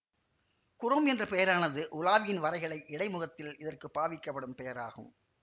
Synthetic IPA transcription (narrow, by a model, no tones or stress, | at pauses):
kʊɾɐmɛndrɐpɛjɐɾaːnɐðɯʔʊlaːʋɪjɪnʋɐɾɐɪɣɐɭɐɪʔɪɽɐɪmʊɣɐt̪ːɪlɪðɐrkɯpːaːʋɪkːɐpːɐɽɯmpɛjɐɾa̰ːɣɯ̰m